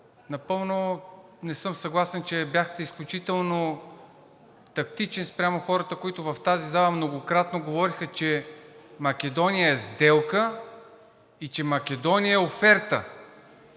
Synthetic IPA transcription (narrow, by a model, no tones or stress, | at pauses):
nɐpɤlˠno | nɛsɤmsɐɡlˠasɛnt͡ʃɛbjaxt̪ɛisklʲut͡ʃit̪ɛlˠno | t̪ɐkt̪it͡ʃɛnspɾʲamoxɔɾət̪əkoit̪ʊvɐft̪azizalˠəmnoɡokɾat̪noɡovɔɾixət͡ʃɛmɐkɛd̪ɔnijəɛzd̪ɛlˠkə | it͡ʃɛmɐkɛd̪ɔnijəɛofɛɾt̪ə